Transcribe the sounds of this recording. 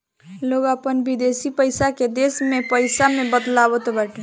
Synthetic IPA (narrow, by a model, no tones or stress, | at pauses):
loɡapənbid̪esipəjsaked̪esmepəjsamebəd̪labɔt̪ɔbaʈe